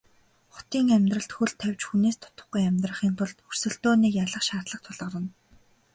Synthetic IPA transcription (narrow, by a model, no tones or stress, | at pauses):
χʊ̥t̪iːŋæmʲt̪rə̆ɬt̪xuɮt̪ʰːæwʲt͡ɕxuneːst̪ʰʊ̥t̪ə̆χɡujæmʲt̪rə̆χiːnt̪ʰʊɮt̪ɵr̥sɵ̆ɬt̪oːniːkjaɮə̆χʃaːt̪ɮə̆k̚t̪ʰʊɮʁə̆ɾə̆n